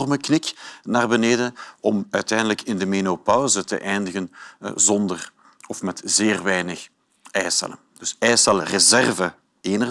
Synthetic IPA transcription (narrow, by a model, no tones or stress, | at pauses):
rməknɪknaːrbəneːdəɔmœɥtɛjndələkɪndəmenopɔwzətə̰ʔɛjndəɣənzɔndər | ɔfmɛtzeːrʋɛjnəx | ɛjsɛ̰lə | d̥ɵsɛjsɛlˠrəzɛrvə | eːnə